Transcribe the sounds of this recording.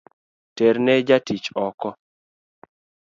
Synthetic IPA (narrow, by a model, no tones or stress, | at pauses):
teɾnɛd͡ʒatit͡ʃɔkɔ